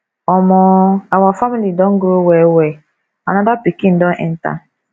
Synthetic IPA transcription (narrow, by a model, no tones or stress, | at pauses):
ɔmɔawɔfamilidɔŋ̩ɡɾowewe | anadapikin̩dɔʔɛ̰n̩ta̰